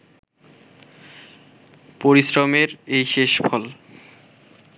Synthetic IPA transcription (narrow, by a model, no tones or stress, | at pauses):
poɾisɾomeɾejʃeʃbʰʱɔl